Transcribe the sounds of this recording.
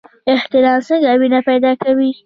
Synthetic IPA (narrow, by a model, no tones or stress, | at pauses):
ɪht̪ɪlɑnsəŋɡawinapajd̪ɑkawi